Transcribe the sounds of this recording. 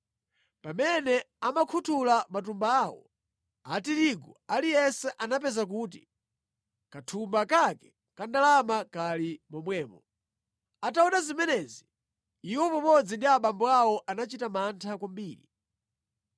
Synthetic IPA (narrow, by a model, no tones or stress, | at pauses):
pamɛnɛ | amakʰutʰulamat̬umbaawɔ̰ | atiɾiɡɔalijɛsɛʔanap̬ɛzak̬uːti | katʰumbakakɛ | kandalamakalimɔmwɛːmɔ | ataɔnazimɛnɛzi | iwɔpɔmɔd͡zindiaɓambɔawɔʔanat͡ʃitamantʰakwambiːɾi